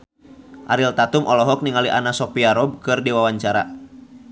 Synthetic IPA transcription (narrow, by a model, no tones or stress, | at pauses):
ʔaɾilt̪at̪umʔɔlɔɦɔk̚niŋaliʔanasɔpiaɾɔb̚kɨrdiwawaɲt͡ʃaɾa̰